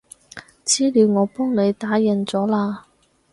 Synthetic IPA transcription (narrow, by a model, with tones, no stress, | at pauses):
t͡siː˥liː˨˧wŋɔː˨˧pɔː˥ŋne˨˧jt̪aː˨˥jɐ˨nt͡sɔː˨˥laː˧